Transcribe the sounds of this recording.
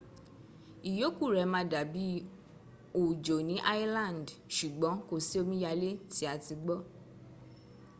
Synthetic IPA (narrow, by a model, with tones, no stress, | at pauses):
i˨jo˨˦ku˦˨ɾɛ˨˦mã˧˦da˨bi˨˦ | o˨d͡ʒo˨nĩ˨˦ʔa˦ji˦lã˦˨ndʃu˨ɡ͡bɔ̃˨˦ko˧si˦o˧mĩ˦ja˧le˦ti˨˦a˧ti˧ɡ͡bɔ˦